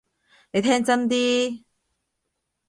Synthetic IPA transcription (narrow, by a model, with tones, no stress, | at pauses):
ne˧jt̪ʰɛː˥ŋt͡sɐ˥nt̪iː˥